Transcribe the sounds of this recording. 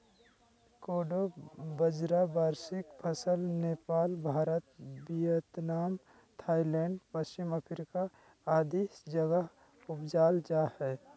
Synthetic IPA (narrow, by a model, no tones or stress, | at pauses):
koːɖobəd͡ʒɾabaːɾsɪkpʰəsəlneːpaːlbʱaːɾət̪̚bijət̪naːm | t̪ʰaːilɛ̃ːɳɖpəst͡ʃɪməpʰɾɪka | aːd̪iːsd͡ʒəɡəɦ | ʊpd͡ʒaːld͡ʒahɛː